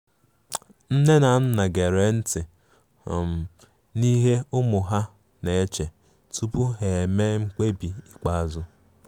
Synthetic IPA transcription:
n̩˦ne˦na˨n̩˦na˨ɡe˨ɾe˨n̩˦tɪ˨ | m̩˨ | ni˦ɦe˦ʊ˦mʊ˨ɦa˦ | ne˨e˦t͡ʃe˨ | tu˦pu˦ɦe˨me˦ŋ͡m̩˦k͡pe˦bi˨i˨k͡pa˦a˨zʊ˦

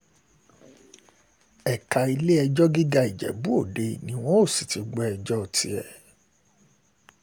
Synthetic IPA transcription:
ɛ˨ka˨i˧le˦ɛ˧d͡ʒɔ˦ɡi˦ɡa˧i˨d͡ʒɛ̰˨bu˦o˦˨de˧˦nĩ˨˦w̃ɔ̃˦o˦˨si˨ti˨˦ɡ͡bɛ˦ɛ˧d͡ʒɔ˦˨tʰi˧ɛ˨

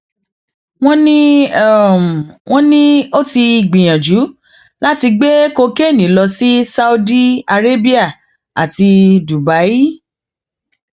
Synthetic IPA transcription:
w̃ɔ̃˦nĩ˦˨ | m˨w̃ʔɔ̃˦nĩ˦o˦ti˧i˨ɡ͡bĩ˨j̃ã˨d͡ʒu˨˦ | la˦ti˧ɡ͡be˦ko˧ke˦˨nĩ˨˦lɔ˧si˦sa˦u˧di˦a˧ɾe˦bi˦a˦˨ | a̰˨ti˧du˨ba˨˦i˦

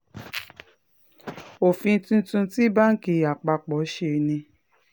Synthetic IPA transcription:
o˨fĩ˧n̩˦tũ˧˦tũ˧ti˦ba˦ŋ̩˦ki˨a˨k͡pa˧k͡pɔ˨˦ʃe˧nĩ˧

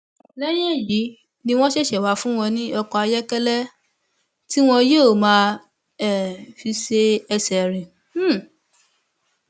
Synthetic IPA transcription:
lɛ˦j̃ɛ̃˦˨ji˨˦ | nĩ˧w̃ɔ̃˦ʃɛ˦˨ʃɛ˨wa˨˧fũ˦w̃ɔ̃˧nĩ˦ɔ˧kɔ˧a˧jɛ˦kɛ˦lɛ˦ | ti˦w̃ɔ̃˦˧je˦o˨mãː˨˦˧ | ɛ˦˨fi˧se˦ɛ˧sɛ˨ɾ̃ĩ˨˦˨

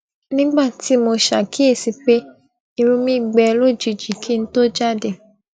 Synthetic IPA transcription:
nĩ˦ɡ͡ba˦˨ti˨˦mo˧ʃa̰˨kʰi˨˦e˦˨si˧k͡pe˦ | i˧ɾũ˧˦mĩ˦˨ɡ͡bɛ˧lo˦˨d͡ʒi˧˨d͡ʒi˨kʰi˦n̩˦to˦d͡ʒa˦˨de˨

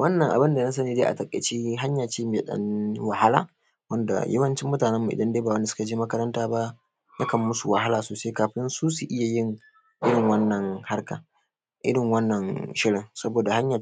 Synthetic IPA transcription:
wɐ˦nːɐ˨ŋʔa̰˨bɪ˦nda˨na˦s̬ɐ˦niː˨deː˦ʔa̰˨tɐ˨kʼḛ˨t͡ʃiː˦ɦa˦ɲjaː˨t͡ʃeː˦mi˨a˨ɗɐ̰˦nwa˨ha˦laː˨ | wɐ˦nda̰˨jɐ˦wɐ˦nt͡ʃɪ˦mːʊ˦taː˨nɛ˦mːu˨ʔɪ̰˨dɐ˦ndeː˦baː˨wɐ˦nda˨sʊ̥˦ka˨d͡ʒiː˦mɐ˦kɐ˦ɾɐ˦ntaː˦ba˦ʔ | nʔa˦kɐ˨mːʊ˦su˨wa˨ha˦laː˨soː˨se˦kaː˨ɸɪ˦nsuː˦su˨ʔɪ˦ja˨jɪ˦ŋ | ʔɪ˦ɽɪ˨ŋwɐ˦nːɐ˨ŋha˦rka˨ | ʔɪ̰˦ɽɪ˨ŋwɐ˦nːɐ˨ŋʃɪ˦ɽɪ˨ŋsɐ˦boː˨da˨ha˦ɲjaː˨

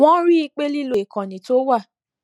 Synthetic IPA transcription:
wɔ̃˦ɾi˦i˧k͡pe˦li˦lo˨i˨kɔ̃˨nĩ˨to˦wa˦˨

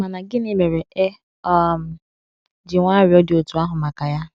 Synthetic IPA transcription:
ma˨na˨ɡɪ˦ni˦me˨ɾe˨ʔe˦ | ɔ˦˨m̩˨ | d͡ʒɪ˨ŋʷaː˦ɾɪ˨˦ɔ˦dɪ˨o˨tu˨˦a˦ɦʊ˨ma˨ka˨ja˦

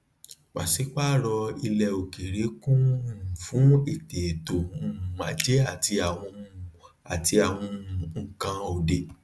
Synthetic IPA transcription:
wa̰˨si˨˦k͡pa˦˨ɾɔ˧i˧lɛ˧˨o˨ke˨ɾe˨˦kũ˦˨fũ˨˦e˨te˨to˨mũ˦˨ma̰˨˦d͡ʒe˦a˦˨ti˧a˨w̃ɔ̃˧˦˧ | a˨ti˧a˨w̃ɔ̃˧˨ŋ̩˨kã˧o˨de˨

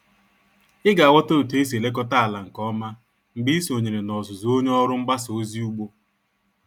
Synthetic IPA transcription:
ɪ˦ɡa˨a˨wɔ˦to˦u˨te˦e˦s̬e˨le˦k̬ɔ˦ta˦a˨la˨ŋ̩˨kɔ˦ma˦ | ŋ͡m̩˨ɡ͡bi˦so˨ɲe˨ɾe˨nɔ˨zʊ˨zo˦ɲe˦ɔ˦ɾʊ˦ŋ͡m̩˦ɡ͡ba˦so˦zi˦u˦ɡ͡bo˦

